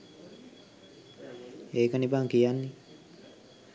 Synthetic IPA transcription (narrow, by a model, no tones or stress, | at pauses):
eːkənibaŋkijanːi